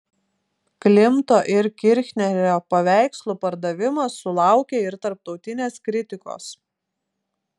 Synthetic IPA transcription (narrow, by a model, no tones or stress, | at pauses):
klʲɪmt̪oːʔɪɾkʲɪɾʲxʲnʲɛɾʲoːpɐʋʲæˑɪkslˠupɐɾd̪ɐʋʲɪmɐsːʊlˠɑˑʊkʲeːɪɾt̪ɐɾp̚t̪ɒʊt̪ʲɪnʲeːskɾʲɪt̪ʲɪko̰ːs